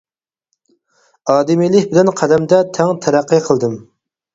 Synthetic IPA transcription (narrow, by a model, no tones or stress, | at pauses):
ɑːd̪ɪmilɪkʲbɪlɛnqʰæd̪ɛmd̪ɛt̪ʰɛŋt̪ʰæɾæqːɨqʰəlˠd̪ɨm